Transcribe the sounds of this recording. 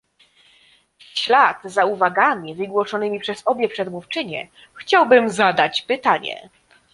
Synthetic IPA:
ɕlad̪̥zauvaɡamʲivɘɡwɔʂɔnɘmʲipʂɛzɔbʲjɛpʂɛd̪muft͡ʂɘɲɛ̰ | xt͡ɕawbɘmzad̪at͡ɕpɘt̪aɲɛ̰

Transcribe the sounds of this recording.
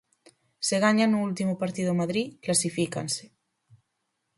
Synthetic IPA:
seɣaɲanuult̪imopaɾt̪iðomaðɾiklasifika̰nse̥

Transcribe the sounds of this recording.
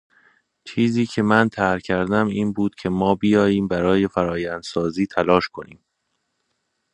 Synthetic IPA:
t͡ʃʰiːziːcʰe̞mænt̪ʰæɾcʰæɾd̪æmiːnbuːd̪̥cʰe̞mɒːbijɒːjiːmbæɾɒːje̞fæɾɒːjænd̪̥sɒːziːt̪ʰælɒːʃkʰo̞niːm

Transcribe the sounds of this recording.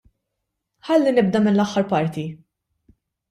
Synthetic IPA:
ħɐlːinɪb̚d̪ɐmɪnlɐħːɐɾpɐɾt̪i

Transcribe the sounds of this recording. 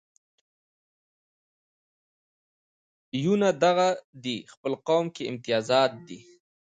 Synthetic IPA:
junad̪aɣad̪ixpəlqawmkeɪmt̪ɪjɑzɑːt̪̚d̪i

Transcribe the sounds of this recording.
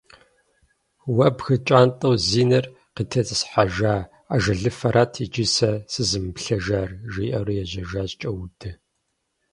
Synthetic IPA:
wɐbxɨt͡ʃʼaːntʼɐwziːnɐr | qitʰɐzɨsħaʒaː | aʒɐɮɨfɐɾʔaːtʰit͡ʃʼisɐsɨzɨmɨpɬɐʒaːrʒiːʔɐrɨjɛʑɐʒaːɕt͡ʃʼɐwdʰɨ

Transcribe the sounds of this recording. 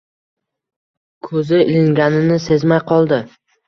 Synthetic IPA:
kʰɵzɪɪlɪŋɡʲanɪnɪse̞zmajqʰɒlˠd̪ɪ

